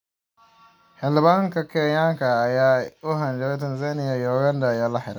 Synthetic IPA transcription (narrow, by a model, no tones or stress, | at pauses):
hɛlɪbaŋkakʰɛjãŋkaːajaoɦãnd͡ʒɛtɛnzanɪjajɔɡandajalahɪɾa